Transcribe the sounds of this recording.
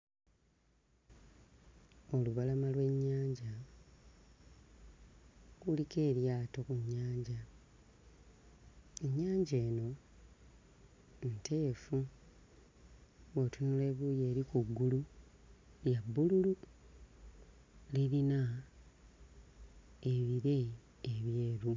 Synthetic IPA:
o̞luβalamalwe̞ɲːaːɲɟa | kulike̞ːɾjaːto̞kuɲːaːɲɟa | eɲːaːɲɟe̞ːno̞ | ntʰe̞ːfu | wotunule̞βujeːɾikuɡːulu | ljabːululu | liɾina | eβiɾe̞ː | βje̞ːɾu

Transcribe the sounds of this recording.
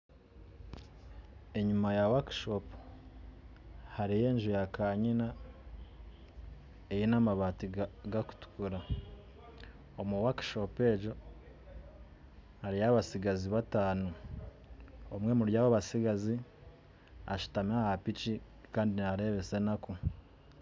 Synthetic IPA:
e̞ɲumajawakʃo̞pu̥ | haɾije̞ːɲʒujakaːɲina | ejinamaβaːtiɡaku̥tu̥kuɾa | omuwakʃo̞pe̞ːɟo̞ | haɾijaβasiɡaziβataːnu | omŋwe̞muɾjaːβoβasiɡazi | a̰ʃu̥tamahapit͡ʃi | kaːndinaɾe̞βe̞se̞nako

